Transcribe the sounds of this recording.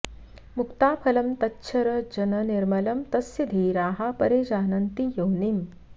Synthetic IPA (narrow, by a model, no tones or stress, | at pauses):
mukt̪aːpʰɐlɐmt̪ɐtːʃʰɐɾɐd͡ʒɐnɐniɾmɐlɐmt̪ɐsjid̪ʱiɾaːɦapɐɾeːd͡ʒaːnɐnt̪ijownim